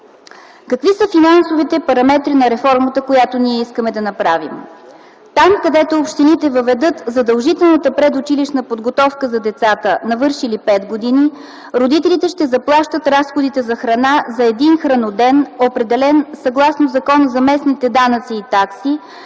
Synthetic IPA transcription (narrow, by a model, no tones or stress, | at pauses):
kɐkvisəfinansovit̪ɛpɐɾɐmɛt̪ɾinɐɾɛfɔɾmət̪əkojat̪oniɛiskəmɛd̪ɐnɐpɾavḭm | t̪amkɐd̪ɛt̪oːpʃt̪init̪ɛvəvɛd̪ɤt̪zɐd̪əlˠʒit̪ɛlˠnət̪əpɾɛd̪ʊt͡ʃiliʃnəpod̪ɡot̪ɔfkəzɐd̪ɛt̪sat̪ənɐvɤɾʃilipɛt̪ɡod̪ini | ɾod̪it̪ɛlit̪ɛʃt̪ɛzɐplˠaʃt̪ət̪ɾasxod̪it̪ɛzɐxɾɐnazɐɛd̪inxɾɐnod̪ɛnopɾɛd̪ɛlɛnsɐɡlˠasnozɐkɔnəzɐmɛsnit̪ɛd̪anət̪siːt̪aksi